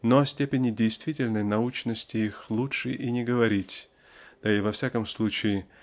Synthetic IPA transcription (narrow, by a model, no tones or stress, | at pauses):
nosʲtʲepʲɪnʲɪdʲɪjst̪vʲitʲɪlʲnəjnɐut͡ɕnəsʲtʲɪixlˠutʂɨʔinʲɪɡəvɐɾʲitʲ | d̪̥ɐivɐfsʲakəmslˠut͡ɕɪɪ